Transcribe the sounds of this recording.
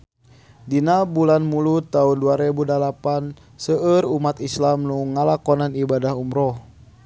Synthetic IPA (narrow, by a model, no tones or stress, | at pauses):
dinabulanmulut̪aunduaɾɛbudalapan | səʔərumat̪islamnuŋalakɔnanibadahumɾɔh